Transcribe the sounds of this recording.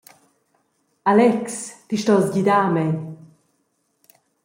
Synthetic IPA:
alɛkst̪iʃtɔzɡid̪aːmɛn

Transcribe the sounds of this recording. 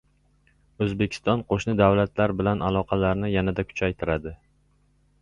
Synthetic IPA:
ɵzbekʲʰɪ̥st̪ɒnqʰoʃnɪd̪awlat̪ʰlaɾbɪlanalˠɒqʰɑlaɾnɪjanad̪akʰʊ̥t͡ʃʰajt̪ʰɪɾad̪ɪ

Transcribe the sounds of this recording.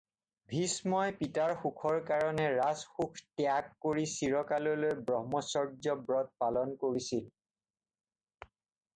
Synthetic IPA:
bʱismɔjpitaɹxukʰɔɹkaɹɔnɛɹasxukʰtɛakːoɹisiɹɔkalɔlojbɹɔɦmɔsɔɹzɔbɹɔt̚palɔnkoɹisil

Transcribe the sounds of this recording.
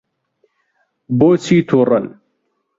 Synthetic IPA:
boːt͡sʰiːt̪ʰurɐn

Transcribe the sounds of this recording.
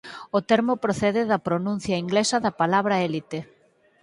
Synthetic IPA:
ot̪ɛɾmopɾoθɛðɪðɐpɾonũn̟θjɐiŋɡlesɐðɐpalaβɾɐelit̪e

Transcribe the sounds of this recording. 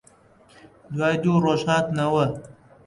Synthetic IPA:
d̪wɑːd̪uɾoʃɑːt̪nawə

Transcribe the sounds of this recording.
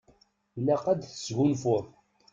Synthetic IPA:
læqæd̪θə̥sʝunfʊɾˤ

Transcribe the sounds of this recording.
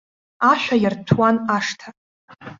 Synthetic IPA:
aʃʷᶣajartʰwanaʂtʰa

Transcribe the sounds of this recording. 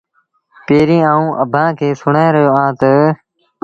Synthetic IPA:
peːɾĩːãːũːʔəbʱãːkʰeːsʊɳ̤ãːɾəɦjoːãːt̪ə

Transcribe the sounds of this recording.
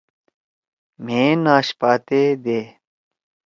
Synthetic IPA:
m̤ẽːnaːɕpaːt̪eːd̪eː

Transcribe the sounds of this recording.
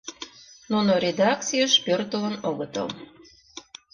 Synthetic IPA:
nunoɾʲed̪ɑkt͡sijəʃpørt̪ələnoɣət̪ə̰l

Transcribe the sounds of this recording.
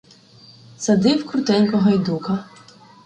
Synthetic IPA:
sɐd̪ɪwkɾʊt̪ɛnʲkɔɦɔjd̪ukɐ

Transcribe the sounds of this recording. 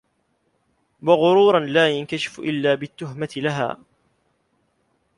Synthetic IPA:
wɑɣʊɾuːɾˤɑnlaːjankaʃɪ̥fʔɪ̰lːaːbɪt̪ːʊɦmat̪ɪlaɦa̰ː

